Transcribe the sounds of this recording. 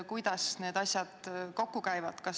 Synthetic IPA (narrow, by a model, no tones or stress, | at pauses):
kujd̪̥ɑsne̞ːd̪ɑsʲjɑd̪̥ko̞kːukæjvɑd̪̥kɑs